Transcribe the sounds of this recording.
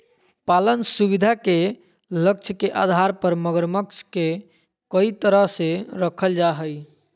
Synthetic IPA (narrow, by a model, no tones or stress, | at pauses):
palənsubid̪ʱake | lək̚t͡ʃʰəkeʔa̰d̪ʱaɾpəɾməɡəɾməksʰke | kəit̪əɾəɦseɾəkʰəld͡ʒaɦəj